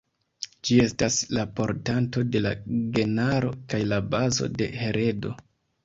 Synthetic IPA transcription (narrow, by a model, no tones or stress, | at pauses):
d͡ʒie̞staslapo̞ɾtanto̞de̞la̰ɡe̞naɾo̞̰kajlabazo̞̰de̞̰he̞ɾʔe̞do̞̰